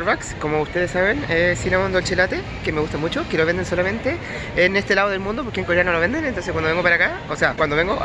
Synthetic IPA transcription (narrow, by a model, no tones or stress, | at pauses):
ɾβakskomoust̪e̞ðesːaβenesinamund̪olt͡ʃelat̪e | kemeɣust̪amut͡ʃokelo̞βe̞nd̪e̞nso̞lamẽ̞nt̪e | enest̪elaðoðelmũnd̪o̞poɾkeŋkoɾano̞lo̞βe̞nd̪enent̪o̞nseskwand̪oeŋɡopaɾakaoseakwand̪oeŋɡo